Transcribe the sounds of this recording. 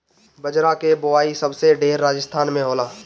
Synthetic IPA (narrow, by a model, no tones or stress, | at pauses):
bəd͡ʒɾãkebʊaːisəbseɖeːɾːaːd͡ʒəst̪ʰaːnmẽɦoːlaː